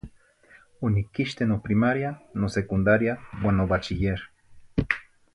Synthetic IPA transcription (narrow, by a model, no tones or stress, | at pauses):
onikiʃt̪enopɾimaɾjanosekund̪aɾjawanːobat͡ʃijeɾ